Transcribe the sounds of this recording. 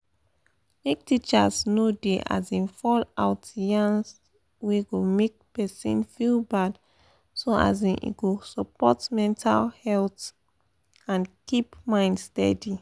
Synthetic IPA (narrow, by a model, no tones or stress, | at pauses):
mek̚tit͡ʃasnodeʔa̰zĩnfɔlaʊtdijãns | weɡomek̚pɛsḭ̃nfilbad | soa̰zĩʔḭɡosɔpɔtmɛ̃ntʰa̰lhɛlt | ãnkipmãɪ̃ndstɛ̰di